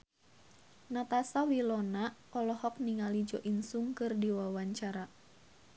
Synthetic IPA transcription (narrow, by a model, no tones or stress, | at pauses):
nat̪asawilɔnaɔlɔhɔk̚niŋalid͡ʒɔʔinsuŋkɨrdiwawaɲt͡ʃaɾa